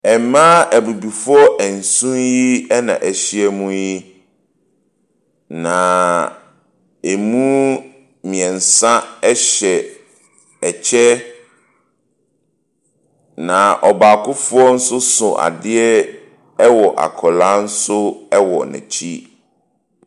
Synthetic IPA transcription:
ɛ˨mã˦ʔæ˨bu˨bi˨fʊ˦ɔ˦ʔæ˨n̩˨sũ˦nji˦ɛ˦nã̰˨ʔæ˨ɕi˦ɛ˦mũ˦ji˦ | nã˨ | e˨mũ˦ | mĩ˨ɛ̃˨n̩˨sã˦ɛ˦ɕɛ˨ | ɛ˨t͡ɕʰɛ˦ | nã˨ʔɔ˨ba˨kʰʊ˦fʊ˦ɔ˦n̩˦sʊ˦sʊ̃˨ʔa̰˨dɪ˦ɛ˦ | ɛ˦wɔ˨ʔa̰˨kʰɔ˨lã˦n̩˦sʊ˦ɛ˦wɔ˨nɪ̰̃˨t͡ɕʰi˦

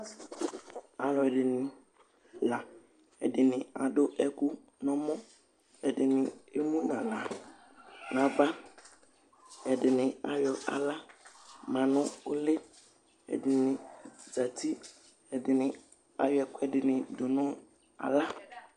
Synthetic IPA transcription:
a˨lɔ˨ɛ˨dɪ˨nɪ̃˨ | la˨ | ɛ̰˨dɪ˨nɪ̃˨a˨dʊ˦ʔɛ˦kʊ˦ | nɔ̃˦mɔ̃˦ | ɛ˨dɪ˨nɪ̃˨e˦mũ˦nã˨la˨ | nã˨ba˦ | ɛ˨dɪ˨nɪ̃˨a˨jɔ˨ʔa̰˨la˦mã˨nʊ̃˦ʊ˦le˦ | ɛ̰˨dɪ˨nɪ̃˨d͡za˨tʰi˦ | ɛ˨dɪ˨nɪ̃˨ | a˨jɔ˨˦ɛ˨kɛ˨dɪ˨nɪ̃˨dʊ˨nʊ̃˦ | a̰˨la˦

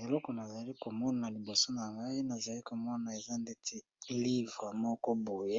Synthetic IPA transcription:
e˨lɔ˦kɔ˨na˨za˨li˦ko˨mɔ˦na˨li˨bo˨so˦na˨ŋɡa˦i˦na˨za˨li˦ko˨mɔ˦na˨e˨za˦nde˦tʰe˦ | li˦va˨mɔ˦kɔ˦bo˨je˦

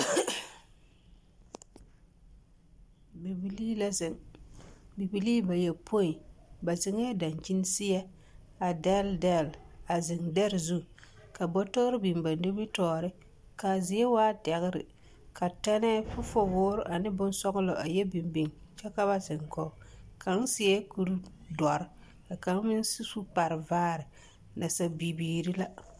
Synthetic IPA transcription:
bi˨bi˦li˦la˦zɪ˨ŋ | bi˨bi˨liː˦ba˨jɛ˨pʰo˦i˨ba˨zɪ˨ŋɛ˦da˨nt͡ʃi˦n˦sɪ˦jɛ˦ | a˨dɛ˦ldɛ˦˨la˨zɪ˨ŋdɛ˦ɾzu˦ | ka˨bɔ˦tɔ˦ɾɪ˦bi˨mba˨nde˦mi˦tɔː˦ɾɪ˦ | ka˨zɪ˨˦ɛ˦waː˦tɛ˨ɣɪ˦ɾɪ̰˨ | ka˨tɛ˦nɛ˦fʊ˦fɔ˦wʊː˦ɾʊ˦ʔa˨nɪ˦bʊ˦n˦sɔ˦ɣʊ˦lɔ˨ʔa˨jɛ˦bi˨mbi˨ŋt͡ʃɛ˦ka˦ba˦zɪ˨ŋkɔ˦˨ | ka˨˦ŋ˦sɪ˦ɛ˦ku˦ɾdɔ˨ɾ | ka˨ka˨˦ŋ˦mɪ˦n˦si˦su˦pa˨ɾɪ˨vaː˦ɾɪ˨ | na˨sa˨bi˨biː˨ɾi˦la˦

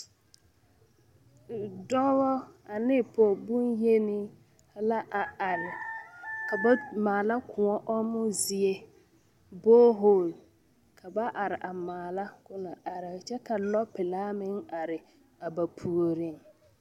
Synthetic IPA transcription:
dɔ˦ɣɔ˦a˨nɪ˦˨pʰɔ˨bʊ˦nje˦nɪ˦˨˦ | la˦ʔa˨a˨ɾɪ˨ka˨ba˦maː˨la˦kʰʊ˨ɔ˦ʔɔ˦mʊ˦zɪ˨e˦ | boː˦ɦo˦˨l | kʰa˨ba˦ʔa˨ɾɪ˨ʔa˨maː˨la˦kʊ˦na˨ʔa˨ɾɪ˨t͡ʃɛ˦ka˨lɔ˦pːɪ˨laː˦mɪ˦ŋa˨ɾɪ˨ | a˨ba˨pʰu˨o˨ɾɪ˦ŋ

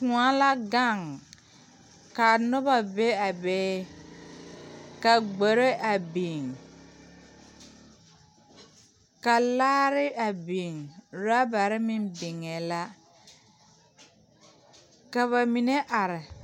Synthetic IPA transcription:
kũ˨a˦la˦ɡa˦˨ŋ | ka˨nʊ˦ba˨be˦a˨bɛː˦ | ka˨ɡ͡bo˨ɾe˦ʔa˨bi˨ŋ | ka˨laː˦ɾɪ˦ʔa˨bi˨ŋɾa˦ba˨ɾɪ˦mɪ˦nbɪ˨ŋɛ˨la˦ | ka˨βa˨mi˨ne˦ʔa˨ɾɪ˨

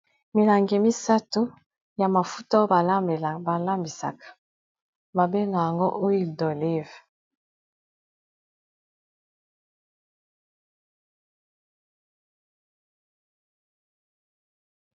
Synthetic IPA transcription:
mi˨la˨ŋɡe˨mi˦sa˦to˦ | ja˨ma˨fu˦ta˦o˦a˨˦˨ba˨la˦mbi˨sa̰˨kḁ˨ | ma˨be˦na˨ja˨ŋɡo˦ʔo˦i˦˨dɔ˨le˦v

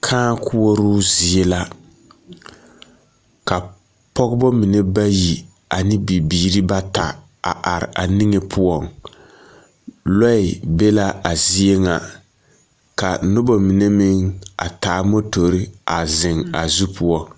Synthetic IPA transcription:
kʰãː˦kʰu˦o˦ɾu˦zi˨e˦la˦ | ka˨ | pɔ˦ɡbɔ˦mi˨nɛ˦ba˦ji˨ | a˨nɪ˦bi˨biː˨ɾi˦ba˦ta˨ | a̰˨ʔa˨ɾɪ̰˨ʔa˨nɪ˦ŋɛ˨pʰu˦ɔ˦ŋ | lɔ˦ɪ˨be˦la˦ʔa˨zi˦e˦ŋa˨ | ka˨nʊ˦bɔ˨mi˨nɛ˦mɪ˦ŋa̰˨taː˨˦mo˦to˨ɾi˦a˨zɪ˨ŋa˨zu˦pʰu˦ɔ˦

